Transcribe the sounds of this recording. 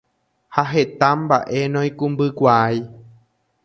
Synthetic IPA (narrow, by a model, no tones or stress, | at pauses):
haɦe̞t̪ãmba̰ʔe̞nõj̃kũmbɨkʷaaj